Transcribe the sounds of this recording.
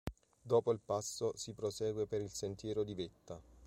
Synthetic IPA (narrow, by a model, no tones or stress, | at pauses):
d̪oːpoilpasːosipɾosɛːɡwepeɾilsent̪jɛːɾod̪ivet̪ːa